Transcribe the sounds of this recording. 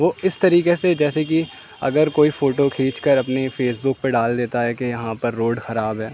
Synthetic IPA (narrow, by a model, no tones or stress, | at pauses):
ʋoːɪst̪ɐɾiːkesed͡ʒɛːsek̬i | ɐ̰ɡəɾkoːifoːʈokʰiːt͡ʃkəɾɐpnefʰeːsbʊk̚peɖaːld̪eːt̪aɦɛːkejɐɦãpɐɾːoːɖxɐɾaːbɦɛː